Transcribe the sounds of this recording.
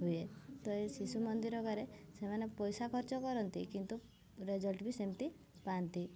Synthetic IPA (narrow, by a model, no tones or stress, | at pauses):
ɦujet̪ɔesisumɔnd̪iɾɔkaɾesemanepɔjsakʰɔɾt͡ʃɔkɔɾɔnt̪ḭkint̪u | ɾed͡ʒɔlʈbʱisemit̪i | pant̪i